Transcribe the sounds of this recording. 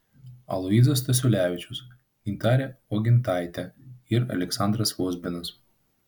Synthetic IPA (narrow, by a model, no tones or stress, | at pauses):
ɐ̰lˠɔiːzɐst̪ɐsʲʊlʲæːʋʲɪt͡ʃʲʊs | nʲit̪ɑːɾʲɛoɡʲɪnt̪ɑˑɪt̪ʲɛɪɾɐ̰lʲɛksɑˑnd̪ɾɐsʋoːzʲbʲɪnɐs